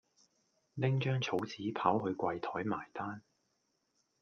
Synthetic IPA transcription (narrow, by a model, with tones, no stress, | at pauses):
lɪ˥ŋt͡ʃœː˥ŋt͡sʰo˨˥wt͡siː˨˥pʰaː˨˥wɦɵ˧ɥkʷwɐ˧jt̪ʰɔː˨˥jma̰ː˨˩jt̪aː˥n